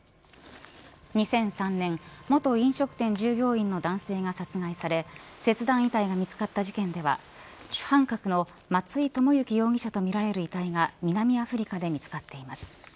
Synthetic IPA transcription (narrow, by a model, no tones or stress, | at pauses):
ɲ̟isẽ̞ɰ̃sãnːẽ̞ɴmo̞t̪o̞ĩɰ̃ɕo̞kɯ̟̥t̪ẽ̞ɲ̟d͡ʑɨːɡʲo̞ːĩnːo̞d̪ãɰ̃se̞ːŋasat͡sɨɡaisaɾe̞se̞t͡sɨd̪ãɰ̃it̪aiɡamʲit͡sɨ̥kat̪ːaʑikẽ̞nd̪e̞βa̰ | ɕɨ̥hãŋkakɯ̟no̞ | mat͡sɨit̪o̞mo̞jɯ̟kʲijo̞ːɡʲiɕat̪o̞mʲiɾaɾe̞ɾɯ̟it̪aiɡamʲinamʲiaɸɯ̟ɾʲikad̪e̞mʲit͡sɨ̥kat̪ːe̞imasɨ̥